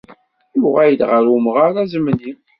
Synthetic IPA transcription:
jʊʁæjəd̪ʁəɾʊmʁaɾæzəmnim

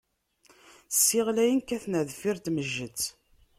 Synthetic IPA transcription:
sːiʁlæjənkːæθnæðfiɾt̪məʒːət͡sː

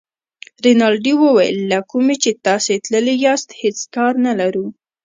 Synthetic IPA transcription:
ɾɪnɑlɖiwəwajə̰lːakumet͡ʃet̪ɑset̪ləlejɑst̪het͡skɑɾnalaɾu

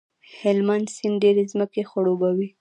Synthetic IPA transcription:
hɪlmansɪnɖeɾezməkexaɽobawi

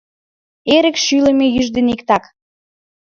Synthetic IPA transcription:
eɾə̆kʃylə̆mejyʒd̪enikt̪ɑk

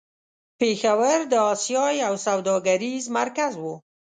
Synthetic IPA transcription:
pexawəɾd̪əɑsjɑjawsawd̪ɑɡaɾizmaɾkazwu

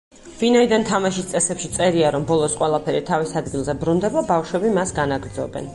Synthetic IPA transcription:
vinaid̪ant̪ʰamaʃist̪sʼɛsɛpʃit̪sʼɛɾiaɾɔmbɔlˠɔsqʼwɛlˠapʰɛɾit̪ʰavisad̪ɡilˠzɛbɾund̪ɛbabafʃwɛbimasɡanaɡɾd̪zɔ̰bɛ̰n

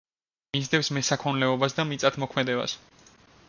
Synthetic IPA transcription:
mizd̪ɛfsmɛsakʰɔnlɛɔbasd̪amit̪sʼat̪ʰmɔkʰmɛd̪ɛba̰s

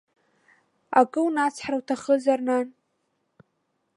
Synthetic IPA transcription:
akʼɨwnat͡sʰħrawtʰaχəzarnan

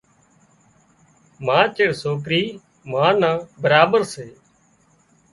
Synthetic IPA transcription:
mãːt͡ʃeɽsoːk̬ɾiː | mãːnãːbəɾaːbəɾseː

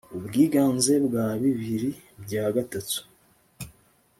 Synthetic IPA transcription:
ubɡiːɡaːnze̞bɡaːβiβiɾibɟaːɡatatu̥

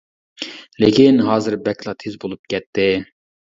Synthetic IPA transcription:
lɪkʲʰinɦɑːzɨɾbɛkʲʰlˠɑt̪ʰezbolˠup̚kʲɛt̪ʰːɪ

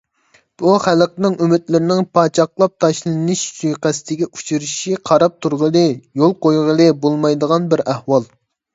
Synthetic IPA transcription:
b̥uχælqnɪŋymɪt̪lɪɾɪnɪŋpʰɑːt͡ʃʰɑχlˠɑp̚t̪ʰɑʃlˠɨnɨʃsʰyjqæsɪ̥t̪ʰɪɡʲɛut͡ʃʰuɾɪʃiqʰɑɾɑp̚t̪ʰuɾʁəlˠɨjolˠqojʁəlˠɨbolˠmɑjd̪əʁɑnbɪɾæhwɑlˠ

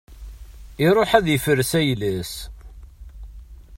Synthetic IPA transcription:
iɾˤoħæðjəfəɾːsæjləs

